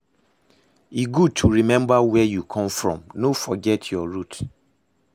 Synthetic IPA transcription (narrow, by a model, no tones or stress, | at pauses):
iɡud̚tʰuɹimɛ̃mbawɛjukʰɔ̃mfɹɔ̰̃mnofɔɡɛtʰjɔɹut